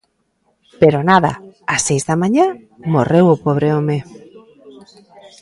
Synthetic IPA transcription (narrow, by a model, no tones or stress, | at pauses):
peɾonaða̰asːejzðamãɲã | morewʊpoβ̞ɾeome